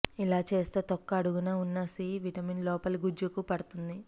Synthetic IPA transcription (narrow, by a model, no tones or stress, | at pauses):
ilaːt͡ʃe̞ːst̪e̞ːt̪ɔkːɐːɽuɡunaːunːɐsiʋiʈɐminlɔːpɐlɡud͡ʒukupɐɽut̪und̪i